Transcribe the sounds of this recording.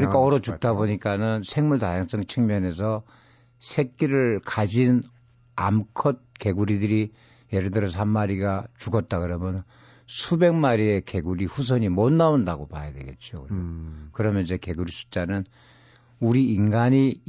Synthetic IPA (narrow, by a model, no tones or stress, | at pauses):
kɯɲik͈aʌɾʌt͡ɕukk̚t͈aboɲik͈anɯnsʰe̞ŋmuɭtajaŋs͈ɯŋt͡ɕʰɯŋmjʌne̞sʰʌ | sʰek̚k͈iɾɯɭkad͡ʑin | a̰mkʰʌt̚ke̞ɡuɾidɯɾi | jeɾɯɭdɯɾʌs̬ʰamːaɾiɡat͡ɕuɡʌt̚t͈akɯɾʌmjʌn | sʰube̞ŋmaɾie̞ke̞ɡuɾiɸus̬ʰʌɲimʌnːaondaɡopa̰jadwe̞̰ɡe̞̰t̚t͡ɕ͈okɯkɯɾʌmjʌnid͡ʑeke̞ɡuɾisʰu̥t͡ɕ͈anɯn | uɾiːnɡaɲi